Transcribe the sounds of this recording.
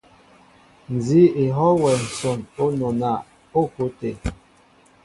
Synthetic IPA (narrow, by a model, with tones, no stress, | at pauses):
n̩˨zi˨˦e˨ɦɔ˦wɛ˨n̩˨sɔ˨no˦nɔ˨na˨ | o˦˨ko˨˦te˨